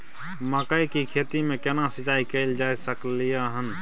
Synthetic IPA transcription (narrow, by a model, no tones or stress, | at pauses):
makəikikʰeːt̪imẽkenasɪd͡ʒaːikeɪld͡ʒaːesəklijaɦən